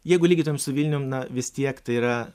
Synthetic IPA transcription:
jɛɪɡʊlʲiːɡʲit̪ojɛmsʊʋʲilʲnʲʊnɐʋʲɪst̪ʲiɛkt̪ɐɪiɾɐ

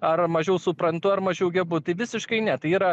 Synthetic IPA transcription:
ɐɾmɐʒʲɛʊsʊpɾɐnt̪ʊɐrmɐʒʲɛʊɡʲɛbʊt̪ɐɪʋʲɪsʲɪʃkɐɪnʲɛt̪ɐɪiːɾɐ

